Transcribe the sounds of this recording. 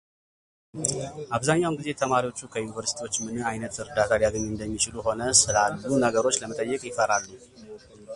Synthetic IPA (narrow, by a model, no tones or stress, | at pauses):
ʔaβzaɲːawnɡize̞t̪ʰəmaɾiwo̞t͡ʃːukʰəjunivəɾsi̥t̪ʰiwo̞t͡ʃːmɨnɨajnət̪ɨɾd̪at̪ʰaliaɡəɲːnd̪əmːit͡ʃɪluho̞nəsɨlalːunəɡəɾo̞t͡ʃːləmət̪ʼəjːɛkʼjɪfəɾalːu